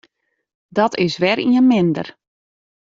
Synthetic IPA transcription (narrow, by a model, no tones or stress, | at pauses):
dɔtɪsʋɛɾiənmɪndə̰r